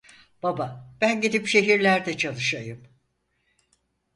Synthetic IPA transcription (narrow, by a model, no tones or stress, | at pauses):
b̥abab̥ænɟid̪ipʃe̞ɦiɾlʲæɾd̪ɛt͡ʃʰalˠɯʃajɯm